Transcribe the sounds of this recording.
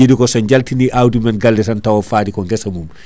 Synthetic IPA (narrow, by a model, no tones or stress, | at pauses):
idikɔsɐɲɟɐltiniʔawdimɛnɡɐldɛsɐntɐwɔfaːdikɔŋɡɛsɐmum